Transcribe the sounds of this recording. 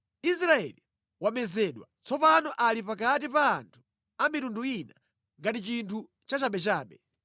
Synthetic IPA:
is̬ɾaɛ̰li | wamɛzɛɗwa̰t͡sɔpanɔʔalipakatipaːntʰu̥ | amitunduina | ŋɡatit͡ʃintʰu | t͡ʃat͡ʃaɓɛt͡ʃaːɓɛ

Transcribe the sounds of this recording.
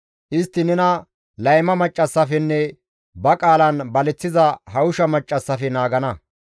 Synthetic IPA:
ʔɪst̪ːɪnɛnɐ | lɐjmɐmɐt͡ʃʼːɐsːɐfɛnːɛ | bɐkʼaːlɐnbɐlɛt͡sːɪzɐɦɐʊʃɐmɐt͡ʃʼːɐsːɐfɛnaːɡɐnɐ

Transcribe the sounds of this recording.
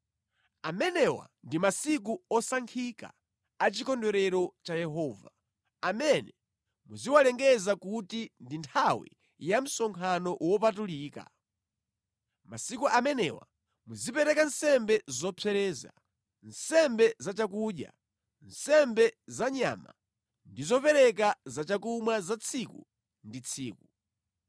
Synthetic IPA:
amɛnɛwa̰ndimasik̬uɔsaŋkʰika̰ | at͡ʃikɔndɔɾɛɾɔt͡ʃajɛɦɔːva | amɛnɛ | muziwalɛŋɡɛzakutindintʰawḭ | jam̩sɔŋkʰanɔʔwɔpatuliːka̰ | masikuʔamɛnɛ̰wa̰ | muzipɛɾɛkansɛmbɛzɔpʰɛɾɛːza̰ | nsɛmbɛzat͡ʃakuːɗja̰ | nsɛmbɛzaɲa̰ma̰ | ndizɔpɛɾɛk̬azat͡ʃakumwazat͡sʰikṵ | ndit͡sʰiːku

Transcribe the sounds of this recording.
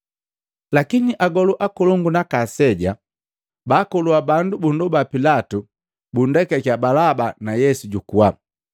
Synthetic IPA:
lakiniʔaɡɔluʔakɔluŋɡunakasɛɟa | bakɔluabandubundubapilatu | bun̩dɛkɛkabalabanajɛsuɟukua

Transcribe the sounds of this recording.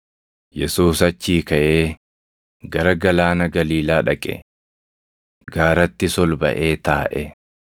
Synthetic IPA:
jɛsuːsɐt͡ʃːiːkɐʔeː | ɡɐɾɐɡɐlaːnɐɡɐliːlaːᶑɐkʼɛ̰ | ɡaːɾɐt̪ːɪsɔlbɐ̰ʔeːt̪aːʔɛ

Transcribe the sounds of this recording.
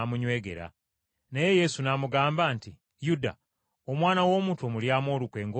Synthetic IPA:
muɲwe̞ːɡe̞̰ɾa̰ | neje̞je̞sunamuɡaːmbaːnti | juda̰ | omwaːnawo̞ːmutomuljaːmo̞ːlukwe̞ːŋɡo

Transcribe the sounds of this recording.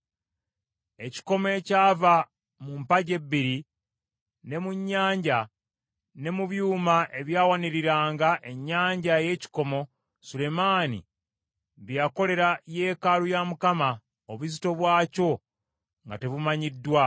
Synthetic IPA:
e̞ci̥ko̞me̞caːva | mumpaɟe̞bːiɾi | ne̞muɲːaːɲɟa | ne̞muβjuːmaʔe̞βjaːwaniɾiɾaːŋɡaʔe̞ɲːaːɲɟaje̞ci̥ko̞mo̞ | sule̞maːnḭ | βjako̞le̞ɾaje̞ːkalujamukama | oβuzito̞βwaːco̞ | ŋɡate̞βumaɲidːwa

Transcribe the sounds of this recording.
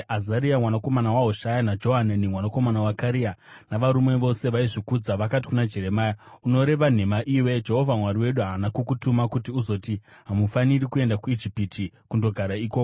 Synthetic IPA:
azaɾiamwanako̞manawaɦoʃajanad͡ʒo̞ɦananimwanako̞manawakaɾija | naʋaɾume̞ʋo̞se̞ʋaiʐikud͡zaʋakat̬i̥kunad͡ʒe̞ɾe̞maːjauno̞ɾe̞ʋan̤e̞maʔiːwe̞d͡ʒe̞ɦo̞vʱamwaɾiwe̞ɗuɦaːnakukutumakutiuzo̞tiɦamufaniɾikue̞ndakuid͡ʒipitʰikundo̞ɡʱaɾaiːkoːko

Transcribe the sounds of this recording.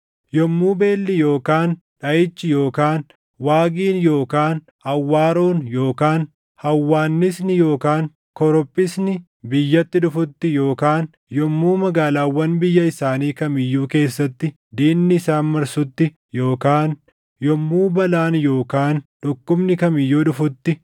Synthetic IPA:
jɔmːuːbe̞ːlːɪjoːkaːn | ᶑɐʔɪt͡ʃːɪjo̞ːkaːn | waːɡiːnjo̞ːkaːn | ɐwːaːɾoːnjo̞ːkaːn | hɐwːaːnːɪsnɪjo̞ːkaːn | kɔɾɔpʼːɪsnɪ | bɪjːɐt̪ːɪᶑʊfʊt̪ːɪjo̞ːkaːn | jɔmːuːmɐɡaːlaːwːɐnbɪjːɐɪsaːniːkɐmɪjːuːke̞ːsːɐt̪ːɪ | d̪eːmnɪːsaːnmɐɾsʊt̪ːɪ | jo̞ːkaːn | jɔmːuːbɐlaːnjo̞ːkaːnᶑɔkːʊbnɪkɐmɪjːoːᶑʊfʊt̪ːɪ

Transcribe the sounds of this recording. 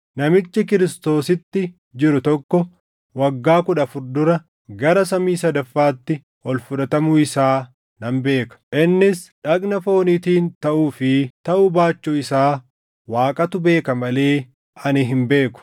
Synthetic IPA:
nɐmɪt͡ʃːɪkɪɾɪst̪o̞ːsɪt̪ːɪ | d͡ʒɪɾʊt̪ɔkːɔ | wɐɡːaːkʊᶑɐfʊɾd̪ʊɾɐ | ɡɐɾɐsɐmiːsɐd̪ɐfːaːt̪ːɪ | hɔlfʊᶑɐt̪ɐmʊɪsaː | nɐmbe̞ːkɐ̥ʔɪnːɪsᶑɐknɐfo̞ːnit̪iːnt̪ɐʔuːfɪt̪ɐʔubaːt͡ʃːuːɪsaː | waːkʼɐt̪ʊbe̞ːkɐmɐle̞ː | ʔɐnɪɦɪmbe̞ːkʊ̥

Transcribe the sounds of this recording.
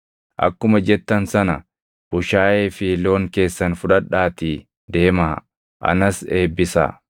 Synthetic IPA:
ʔɐ̰kːʊmɐd͡ʒɛt̪ːɐnsɐnɐ | b̥ʊʃaːje̞ːfɪlo̞ːŋke̞ːsːɐnfʊᶑɐᶑaːt̪iː | d̪e̞ːmaː | ʔɐ̰nɐse̞ːbːɪsa̰ː

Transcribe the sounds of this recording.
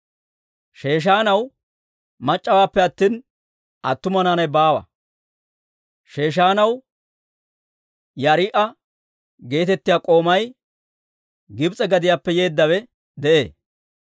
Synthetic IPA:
ʃe̞ːʃ̬aːnɐw | mɐt͡ʃʼːɐwaːpːɛɐt̪ːiːn | ʔɐt̪ːʊmɐnaːnɐjbaːwɐ̰ | ʃe̞ːʃ̬aːnɐw | jɐɾɪʔɐ | ɡe̞ːt̪ɛt̪ːɪjaːkʼo̞ːmɐj | ɡɪbt͡sʼɛɡɐd̪ɪjaːpːɛje̞ːd̪ːɐwɛ | d̪ɛʔḛː

